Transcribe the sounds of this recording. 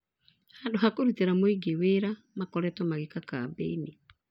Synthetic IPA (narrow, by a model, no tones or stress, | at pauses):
haːndoɦakoɾuteɾamoiɡeweːɾa | makɔɾɛtwɔmaɣekakabḛine